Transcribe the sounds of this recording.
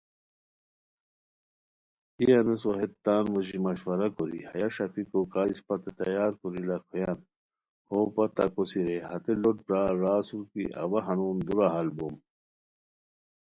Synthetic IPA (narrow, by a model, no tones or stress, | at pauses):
iɐnesoɦet̪ːaːnʋoʑimɐɕwɐɾɐkoɾḭhɐjɐɕɐpikokaːispɐt̪et̪ɐjaːɾkoɾilakʰojan | hoːpɐt̪ɐkosiɾehɐt̪eloʈ̚bɾaːɾaːsuɾkḭʔɐ̰wɐɦɐnuːnd̪uɾaɦɐlbom